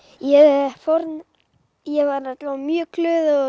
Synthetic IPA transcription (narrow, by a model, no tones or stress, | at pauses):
jɛfɔɾn | jɛvaɾnɛt̪lmjœːklʏːðɔ